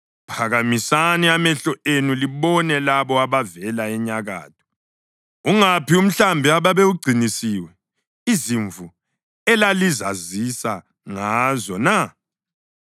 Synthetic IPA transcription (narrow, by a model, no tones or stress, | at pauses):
pʰaɣamisaniamɛɬɔenuliβɔnɛlaβɔaβavɛlaɛɲaɣa̰ːtʰʼɔ̥ | uŋapium̩ɬambʱiaβaβeuɡ͡ǀʱinisiːwɛ | iziɱvu | ɛlalizazisa | ŋazɔna